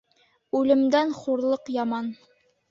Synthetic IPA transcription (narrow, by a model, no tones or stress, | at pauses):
ʉlɘ̆md̪ænχuɾlˠɤqjɑmɑn